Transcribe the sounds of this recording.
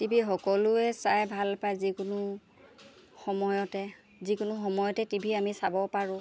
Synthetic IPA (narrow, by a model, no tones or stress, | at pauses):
tibʱixɔkɔlʊɛsajbʱalpajzikʊnʊ | xɔmɔjɔtɛ | zikʊnʊxɔmɔjɔtɛtibʱiamisabɔpaɹʊ̃